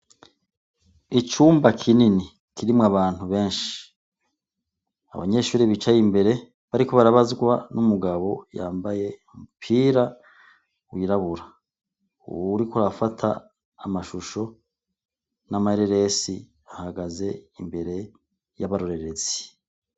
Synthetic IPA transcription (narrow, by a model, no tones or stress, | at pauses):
it͡ʃuːmbakʰinini | kʰiɾimŋaβaːn̥huβe̞ːnʃi̥ | a̰βa̰ɲe̞ʃuːɾiβit͡ʃajimbe̞ɾe̞ | βaɾikoβaɾaβazɡwanumuɡaβo̞ja̰ːmbaje̞mupʰiːɾa | wiːɾaβuɾa | ṵwuɾikuɾafatʰa̰ː | maʃuʃo̞ | namaheɾeɾe̞si | βahaɡaze̞imbe̞ɾe̞ | jaβaɾo̞ɾe̞ɾe̞zi̥